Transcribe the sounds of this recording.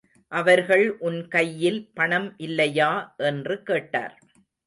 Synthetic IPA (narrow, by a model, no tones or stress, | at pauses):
ʔɐʋɐɾɣɐɭʔʊnkɐjːɪlpɐɳɐmʔɪlːɐjaːʔɛndrɯkeːʈːa̰ːɾ